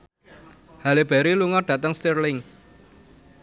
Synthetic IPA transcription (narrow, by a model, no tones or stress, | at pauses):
haleb̥ɛ̤ɾiluŋɔɖ̥ä̤t̪əŋst̪irlɪŋ